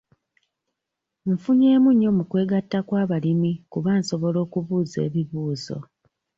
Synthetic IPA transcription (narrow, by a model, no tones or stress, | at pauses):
ɱ̩fuɲe̞ːmuɲːo̞mukwe̞ːɡatːakwaːβalimikuβaːnso̞βo̞lo̞ːkuβuːze̞̰ːβiβuːzo̞̰